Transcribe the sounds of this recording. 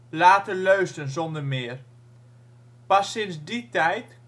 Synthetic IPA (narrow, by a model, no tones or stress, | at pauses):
laːtəløɥstənzɔndərmɪər | pasɪnsditɛjt